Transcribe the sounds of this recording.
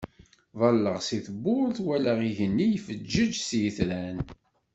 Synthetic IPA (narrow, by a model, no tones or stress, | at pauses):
vɑlːəʁsiθəbʊɾθwælæʁiʝənːijfəd͡ʒːəd͡ʒsjəθɾæn